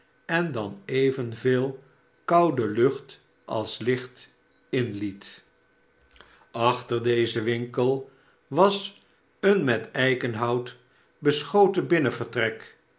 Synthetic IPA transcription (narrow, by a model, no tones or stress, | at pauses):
ɛndɑnejvənvɪːlˠ | kɑwdəlɵχt | ʔɑ̰lˠslɪχt | ɪnlit | ʔɑχtəɹdejzəʋɪŋkəlˠ | ʋɑs | ənmɛtɛjkənɦɑwt | bəsχowtəbɪnəvəɹtrɛk